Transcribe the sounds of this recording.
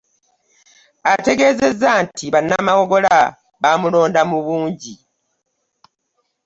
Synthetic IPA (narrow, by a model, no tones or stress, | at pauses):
ate̞ɡe̞ːze̞zːaːntʰiβanːamawo̞ɡo̞la | βaːmulo̞ːndamuβuːɲɟi